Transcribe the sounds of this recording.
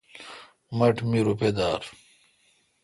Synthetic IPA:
mɐʈmiɾuped̪aːɾ

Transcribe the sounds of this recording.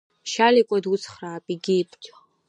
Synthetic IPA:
ʃalikʷʼɔd̪ut͡sʰχraːpʼiɡipʰʼt͡ʃʰʼa

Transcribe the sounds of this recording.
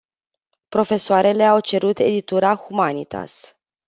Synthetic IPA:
pɾo̞fe̞soaɾe̞le̞awt͡ʃe̞ɾut̪e̞̰d̪it̪uɾaxumanit̪ʰa̰s

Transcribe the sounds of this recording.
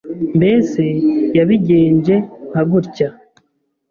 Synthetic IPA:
mbeːsejaβiɟeːɲd͡ʒe̞ŋ̥aɡuɾca

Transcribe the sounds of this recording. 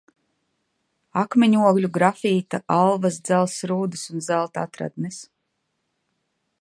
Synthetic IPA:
akmiɲuɔɡlʲuɡɾafiːt̪aʔalˠvasd̪zælˠsɾuːd̪ɨsunzælˠt̪a̰t̪ɾa̰d̪mis

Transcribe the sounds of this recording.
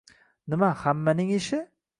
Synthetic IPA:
nɪmahamːanɪŋɪʃɪ

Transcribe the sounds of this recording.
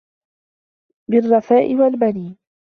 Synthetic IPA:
bɪrˤːɑfaːʔɪwalbaniːn

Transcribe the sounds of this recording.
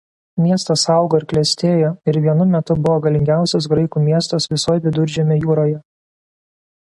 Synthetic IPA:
mʲiɛst̪ɐsɐˑʊɡoːɪɾklʲɛsʲt̪ʲeːjoːɪɾʋʲiɛnʊmʲɛt̪ʊbʊʋoːɡɐlʲɪŋʲɡʲæˑʊsʲɛs̬ɡɾɐɪkuːmʲiɛst̪ɐsʋʲɪsoːjɛʋʲɪd̪ʊɾʲd͡ʒʲɛmʲɛjuːɾoːjɛ

